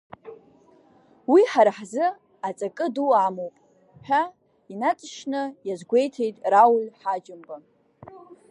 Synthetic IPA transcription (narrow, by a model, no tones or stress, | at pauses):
wiħaɾħzɨ | at͡sʼakʼɨduamowpʼ | ħᶣa | inat͡sʼʃnɨjazɡʷe̞jtʰe̞jtʼrawlħad͡ʒɪmba